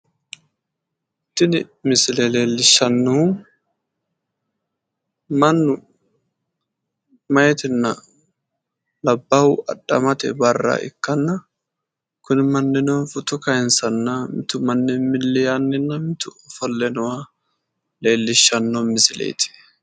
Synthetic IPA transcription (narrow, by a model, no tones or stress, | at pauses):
t̪ːɪnɪmɪsɪlɛle̞ːlːɪʃːɐnːɔ | mɐnːʊ | mɐjɛt̪ɪnːɐ | lɐbːɐwʊʔɐɗːɐmɐt̪ɛ̰bɐrːɐ̰ʔɪ̰kːɐnːɐ | kʊnɪmɐnːɪnɔnfʊt̪ʊkɐjɛnsɐnːɐmɪt̪ʊmɐnːɪmɪlːɪjanːɪnːɐmɪt̪ʊɔfɔlːɛnɔwa | le̞ːlːɪʃːɐnːɔmɪsɪlɛ̰j̰t̪ʰɪ̥